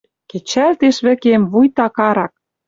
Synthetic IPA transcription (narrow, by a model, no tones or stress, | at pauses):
ket͡ɕælt̪eʃβɘ̆kemβujt̪ɑkɑɾɑk̚